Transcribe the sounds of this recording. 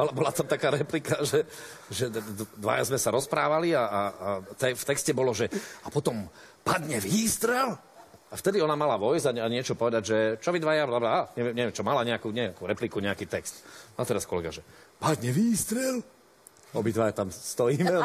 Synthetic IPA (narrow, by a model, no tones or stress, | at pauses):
ɔlɛbɔlat̪amt̪akaːɾɛplikaʒɛ | ʒɛd̪ʋa̰ja̰zmɛsaɾɔspɾaːʋalia | t̪ɛft̪ɛkscɛbɔlɔʒɛapɔt̪ɔmpad̪ɲɛʋiːst̪ɾɛl | aft̪ɛd̪iɔnamalaʋɔjzaaɲɪɛt͡ʃɔpɔʋɛd̪aɟʒɛt͡ʃɔʋid̪ʋajablablaaɲɛʋɛmɲɛʋɛmt͡ʃɔmalaɲɛakuɲɛakuːɾɛplikuɲɛakiːt̪ɛkst̪nat̪ɛɾaskɔlɛɡaʒɛpad̪ɲɛʋiːst̪ɾɛl | ɔbid̪ʋajat̪amst̪ɔjiːmɛ